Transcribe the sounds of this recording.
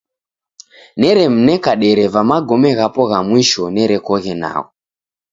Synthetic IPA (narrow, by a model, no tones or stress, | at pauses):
nɛɾem̩nɛkaɗeɾevamaɡʱomɛɣapoɣamwiʃonɛɾekoɣena̰ːo